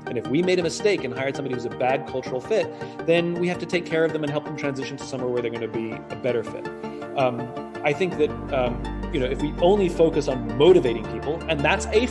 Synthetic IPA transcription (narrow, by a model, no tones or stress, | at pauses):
ʔɨ̃nɨfwimeɪɾɨmɨsteɪkɨ̃nɦaɪə̥˞sʌ̃mbɑɾihʉzɨbæd̚kʰʌlˠt͡ʃə˞l̩ˠfɪt̪̚ðɨ̃nwihæftɨtʰeɪkʰɛɹʌvðə̃mɨ̃nɦɛlˠp̚ðm̩tʰɹ̥æ̃nzɪʃn̩tʰɨ̥sʌ̃mwɛɹwə˞ðə˞ɡʌ̃nɨbiɨbɛɾə˞fɪ̰ɾ | aɪθɪ̃ŋk̚ðɨt̚ʌjɨnoʊɨfwiʔõʊ̃nlifoʊkɨsn̩moʊɾɨveɪɾɪ̃ŋpʰipl̩ˠɨ̃nðætsɨ